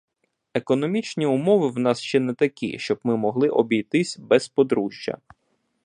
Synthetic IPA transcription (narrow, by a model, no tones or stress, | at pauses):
ekɔnɔmʲit͡ʃnʲiumɔʋɪwn̪ɑsʃt͡ʃɛnɛt̪ɐkʲḭʃt͡ʃɔbmɪmɔɦlˠɪʔɔbʲijt̪ɪsʲbɛspɔd̪ɾuʒʲjɐ̰